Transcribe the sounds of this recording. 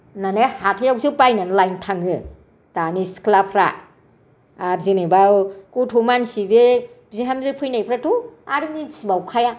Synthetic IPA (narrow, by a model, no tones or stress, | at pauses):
nanehatʰajawsipajnanlajntʰaŋɯ | tanisklapʰɾa̰ | aɾzinebawkutʰumansibe | bziɦamzɯpʰujnajpʰɾatuaɾmisibawkʰaja